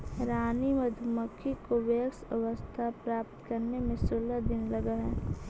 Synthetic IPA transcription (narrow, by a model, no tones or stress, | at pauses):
ɾaːnimɐd̪ʱməkʰːikoʋeəksəʋəst̪ʰapɾaːp̚t̪kɐɾnemẽsʊlːəd̪ɪnlɐɡaɦɛː